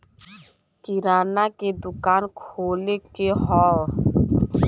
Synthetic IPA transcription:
kɪɾaːnaked̪ʊkaːnkʰoːlekeɦɔː

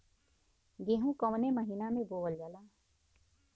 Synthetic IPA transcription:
ɡeːɦũkəʋneməɦinamẽboːʋəld͡ʒaːlaː

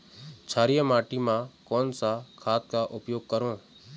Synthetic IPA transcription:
t͡ʃʰaːɾijəmaːʈimãːkoːnsakʰaːt̪̚kaːʔʊpjoːɡ̚kəɾõː

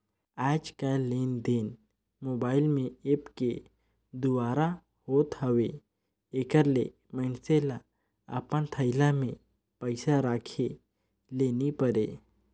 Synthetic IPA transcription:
aːd͡ʒkaleːnd̪eːn | moːbaːɪlmẽepke | d̪ʊwaːɾa | hoːt̪ɦəʋe | eːkəɾle | məɪnsela | a̰pənt̪ʰəɪlamẽ | pəɪsaɾaːkʰe | leːnipəɾḛ

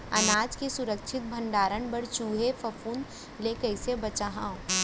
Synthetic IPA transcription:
ɐnaːd͡ʒkesʊɾəkt͡ʃʰɪt̪̚bʱə̃ɳɖaːɾənbəɽt͡ʃuːɦefʰɐfʰuːn | lekɐɪsebɐt͡ʃaɦãːõ

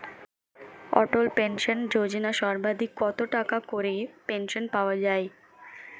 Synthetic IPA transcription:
ɔ̰ʈolpenʃond͡ʑod͡ʑinaʃɔɾbad̪ʱikːɔt̪oʈakakoɾepenʃonpaoad͡ʑae

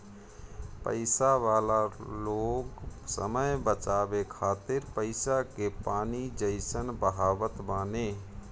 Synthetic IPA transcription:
pə̰ɪsaʋaːlaloːɡsə̰məjbət͡ʃaːbekʰaːt̪ɪɾpəɪsakepaːnid͡ʒəɪsənbəɦaːbət̪baːneː

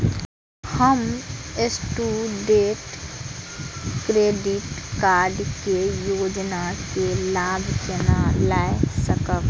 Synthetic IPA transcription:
həmesʈuːɖeːʈ | kɾeːɖɪʈkaːɾɖkejoːd͡ʒnakelaːbʱt͡ʃenalaːesəkək

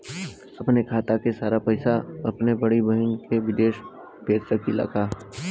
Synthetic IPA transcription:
ɐpnekʰaːt̪akesaːɾapɐɪsaɐpnebɐɽibɐɦɪnkeʋɪd̪eːʃ | beːt͡ʃsəkilɐ̰kʰaː

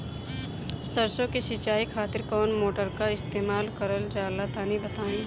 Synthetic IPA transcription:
səɾsõkesɪt͡ʃaːikʰaːt̪ɪɾkɔːnmoːʈəɾkaɪst̪eːmaːlkəɾəld͡ʒaːlat̪aːnibɐt̪aːẽ

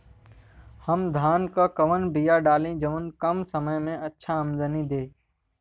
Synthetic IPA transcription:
həmd̪ʱaːnkaːkəʋənbijaːɖaːlĩːd͡ʒəʋənkəmsəməjmẽːətːʃʰaːəmzənĩːd̪eː

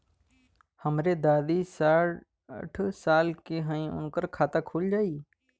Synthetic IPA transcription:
həmɾed̪aːd̪isaːɾ | ə̰ʈʰsaːlkeɦə̃ĩʊ̰nkəɾkʰaːt̪akʰuːld͡ʒaːiː

